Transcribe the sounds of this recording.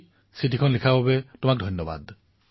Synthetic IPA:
sitikʰɔnlikʰababɛtʊmak̚dʱɔjnːɔba̰d

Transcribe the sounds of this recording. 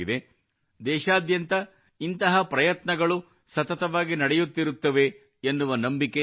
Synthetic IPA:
id̪e̞ | d̪ɛːʃaːd̪jɐnt̪ɐ | int̪ɐɦɐpɾɐjɐt̪nɐɡɐɭu | sɐt̪ɐt̪ɐʋaːɡinɐɽejut̪ːiɾut̪ːɐʋe̞ | enːuʋɐnɐmbike

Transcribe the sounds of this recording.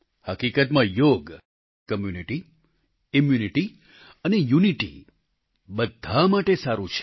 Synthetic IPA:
həkikət̪mãjoɡ | kəmjuniʈi | ɪmjuniʈi | ənejuniʈḭ | bəd̪ʱamaʈesaɾũt͡ʃʰ

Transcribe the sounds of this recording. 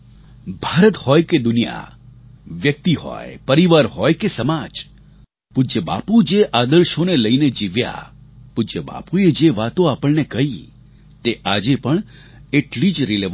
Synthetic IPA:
bʱaɾət̪hɔjked̪ʊnija̰ | ʋjək̚t̪iɦɔ̰jpəɾiʋaɾɦɔjkesəmad͡ʒ | pud͡ʒəba̰pud͡ʒeʔad̪əɾʃoneləined͡ʒiʋja̰pud͡ʒəba̰pued͡ʒeʋat̪õapəɭnekəɦi | t̪eʔad͡ʒepəɳ | eʈlid͡ʒɾileʋ

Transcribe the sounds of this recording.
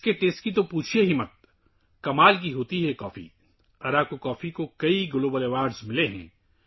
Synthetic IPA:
keʈeːsʈkit̪̬opuːt͡ʃʰieɦɪmːɐt̪̚ | kɐmaːlk̬iɦoːt̪iɦɛkɔːfḭ | ɐɾaːkokɔːfikokɐiɡʊloːbəleːʋaːɾɖzmɪleɦɛ̰̃ː

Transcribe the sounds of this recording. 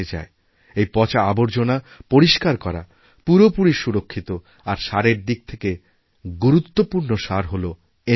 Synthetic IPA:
ed͡ʑa̰e | ejpɔt͡ɕaaboɾd͡ʑona | poɾiʃkaɾkɔɾa̰ | puɾopuɾiʃuɾokʰːit̪o | aɾʃaɾeɾd̪ik̚t̪ʰeke | ɡuɾut̪ːopuɾnoʃaɾɦolo | e

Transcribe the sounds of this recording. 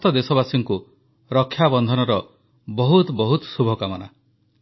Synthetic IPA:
t̪ɔd̪esɔbasiŋku | ɾɔkʰːjabɔnd̪ʱɔnɔɾɔ | bɔɦut̪bɔɦut̪subʱɔkamɔna̰

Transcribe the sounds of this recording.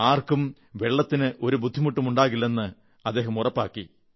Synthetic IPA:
aːrkum | ʋe̞ɭːɐt̪ːinɨʔo̞ɾubud̪ʱːimuʈːumuɳɖaːɣilːe̞nːɨ | ɐd̪ːe̞ːɦɐmurɐpːaːkːi

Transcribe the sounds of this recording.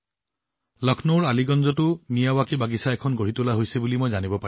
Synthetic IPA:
lɔkʰnoɹaliɡɔnzɔtʊnijawakibaɡisaɛkʰɔnɡoɹ̤itʊlaɦojsɛbulimojzanibɔpa

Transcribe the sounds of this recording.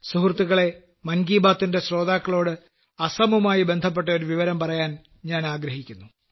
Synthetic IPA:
suhurt̪ːuɣɐɭe̞ | mɐnɡiːbaːt̪ːinde̞ɕro̞ːd̪aːkːɐɭo̞ːɽɨ | ɐsɐmumaːjibe̞nd̪ʱɐp̬ːe̞ʈːɐo̞ɾuʋiʋɐɾɐmpɐrɐjaːn | ɲaːnaːɡɾɐɦikʲːunːu

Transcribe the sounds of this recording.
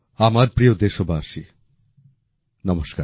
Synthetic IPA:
amaɾpɾijod̪eʃobʱaʃi | nɔmoʃkaɾ

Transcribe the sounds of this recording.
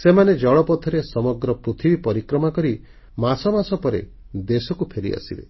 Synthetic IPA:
semaned͡ʒɔɭɔpɔt̪ʰɔɾesɔmɔɡɾɔpɾut̪ʰibipɔɾikɾɔmakɔɾi | masɔmasɔpɔɾḛ | d̪esɔkupʰeɾḭa̰sibḛ

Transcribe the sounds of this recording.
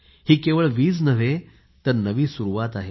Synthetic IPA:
hiːkeʋəɭʋiːt͡snəʋ̤e | t̪əɾnəʋiːsuɾuʋat̪aɦe

